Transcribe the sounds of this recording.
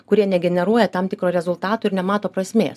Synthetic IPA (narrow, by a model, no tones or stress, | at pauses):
kʊɾʲiɛnʲɛɡʲɛnʲɛɾuɔjɛt̪ɑmt̪ʲɪkɾoːɾʲɛzʊlˠt̪ɑːt̪uːɪɾnʲɛmɑːt̪oːpɾɐsʲmʲḛːs